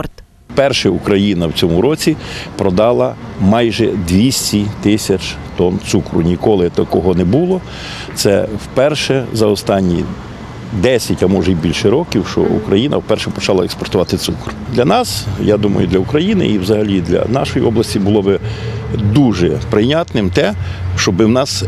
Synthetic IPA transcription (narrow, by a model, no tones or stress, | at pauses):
t̪ | pɛrʃɛukɾɐjinɐwt͡sʲɔmʊɾɔt͡sʲipɾɔd̪ɑlˠɐ | mɑjʒɛd̪ʲʋʲisʲtʲit̪ɪsʲɐt͡ʃ | t̪ɔnt̪sukɾʊ̰nʲikɔlˠɪt̪ɐkɔɦɔnɛbulˠɔ | t̪sɛwpɛrʃɛzɐɔst̪ɑnʲːi | d̪ɛsʲɐtʲɐmɔʒɛibʲilʲʃɛɾɔkʲiwʃt͡ʃɔ̰ṵkɾɐjinɐ̰wpɛrʃɛpɔt͡ʃɑlˠɐekspɔrt̪ʊʋɑt̪ɪt̪sukrd̪lʲɐnɑsjad̪umɐ̰jʊd̪lʲɐʊkɾɐjinɪ̰iwzɐɦɐlʲid̪lʲɐ̰nɑʃɔjiʔɔblˠɐsʲtʲibʊlˠɔbɪ | d̪uʒɛpɾɪnʲɑt̪nɪmt̪ɛ | ʃt͡ʃɔbɪwnɑs